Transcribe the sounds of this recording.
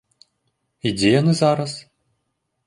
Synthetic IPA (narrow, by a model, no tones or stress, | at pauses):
id͡zʲejanɨzaɾɐs